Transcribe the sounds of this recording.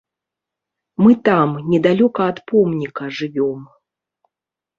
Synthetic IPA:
mɨt̪amnʲɛd̪alʲɔkɐːt̪pɔmnʲikɐʐɨvʲɔm

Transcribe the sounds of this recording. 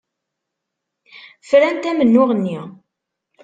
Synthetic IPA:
fɾænt̪æmənːʊʁənːi

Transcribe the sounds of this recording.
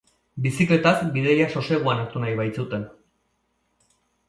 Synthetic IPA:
bisikle̞t̪azbiðeʎaso̞se̞ɣ̞uanaɾt̪unajβajt͡sut̪e̞n

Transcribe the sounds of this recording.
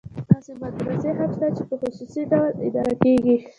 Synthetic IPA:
d̪̥ɑsebat̪ɾaseɦamʃt̪at͡ʃepəxʊsusid̪awalɪ̰d̪ɑɾakeɡi

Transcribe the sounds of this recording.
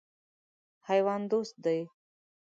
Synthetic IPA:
hajwɑːnd̪ost̪̚d̪aj

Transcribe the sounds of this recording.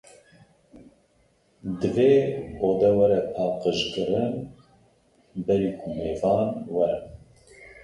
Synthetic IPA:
d̪ɨveːoːd̪ɛwɛɾɛpʰɑːqəʃkɨɾɨn | bɛɾiːkʰʊmeːvɑːnwɛɾɨn

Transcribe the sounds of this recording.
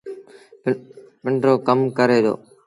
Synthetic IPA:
pɪɳɖɾoːkəmkəɾeːd̪o̰ː

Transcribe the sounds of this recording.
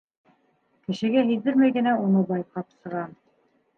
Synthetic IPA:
kɘ̆ʃɘ̆ɡæɦiðɘɾmæjɡɘ̆næunɤbɑjqɑpsɤ̆ʁɑn

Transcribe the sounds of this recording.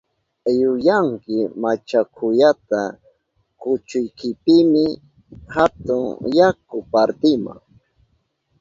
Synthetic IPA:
jʊjaŋkɪmat͡ʃakʰʊjat̪a | kʊt͡ʃʊjkɪpɪmɪ | hat̪ʊŋjakʊpaɾt̪ɪma̰ŋ

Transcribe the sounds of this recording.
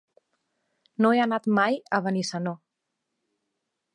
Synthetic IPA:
noeanat̪majəβənisano

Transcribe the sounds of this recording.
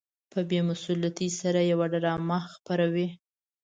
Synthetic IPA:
pəbjemʊsulat̪isaɾajawaɖaɾɑmaxpaɾawi

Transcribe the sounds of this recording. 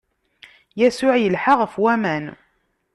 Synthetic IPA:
jæsʊʕjəlħaʁəfwæmæn

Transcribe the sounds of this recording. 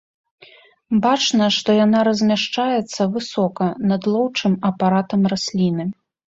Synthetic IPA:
bat͡ʂnɐʂt̪ɔjan̪aɾɐzʲmʲaʂt͡ʂajɛt̪sːɐvɨsɔkɐnɐd̪lˠɔwt͡ʂɨmɐpaɾat̪ɐmrasʲlʲinɨ

